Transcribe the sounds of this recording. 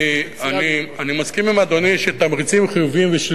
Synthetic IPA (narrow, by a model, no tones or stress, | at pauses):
anianimaskimimad̪o̞niʃet̪amʁit͡simχijuvimveʃl